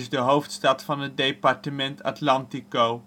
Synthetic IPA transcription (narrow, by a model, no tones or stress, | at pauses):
zdəɦowftstɑtfɑnɦət̚dejpɑɹtəmɛntɑ̰tlɑntikow